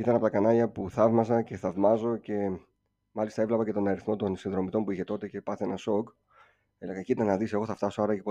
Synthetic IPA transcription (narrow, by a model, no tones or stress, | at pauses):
it̪ɐnɐpot̪ɐkɐnɐʎɐpuθɐvmɐsɐce̞θɐvmɐzo̞ce̞ | mɐlist̪ɐevlɐpɐce̞t̪o̞nɐɾiθmo̞t̪o̞nsinðɾo̞mit̪o̞npuiçe̞t̪o̞t̪e̞ce̞pɐθee̞nɐso̞k | eleɣɐciit̪ɐnɐðise̞ɣo̞θɐft̪ɐso̞ɐɾɐepo